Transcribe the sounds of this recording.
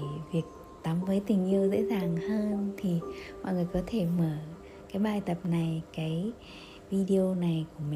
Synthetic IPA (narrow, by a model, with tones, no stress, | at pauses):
vi˨˩ək̚ | t̪a˨˦mvəː˨˦jt̪ï˨˩ŋ̟ʔi˧əwzḛ˧˥zaː˨˩ŋhəː˧nt̪ʰi˨˩ma̰ː˧˨ŋɨ˨˩əjkɔ˨˦t̪ʰe˧˩məː˧˩ | kaː˨˦jɓaː˧˨jt̪ə˨˩p̚na˨˩jkaː˨˦j | vi˧ɗi˧o˧na˨˩jku˧˩əmi˨